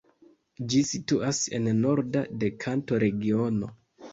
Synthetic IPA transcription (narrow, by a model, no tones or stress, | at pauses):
d͡ʒisituʔase̞̰nno̞ɾdade̞kʰanto̞ɾe̞ɡio̞no̞